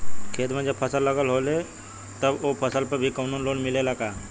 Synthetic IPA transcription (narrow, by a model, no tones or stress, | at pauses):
kʰeːt̪mẽd͡ʒəbpʰəsəlːəɡəlɦole | t̪əbopʰəsəlpəɾbʱikəʊnuːnloːnmɪleləɡaː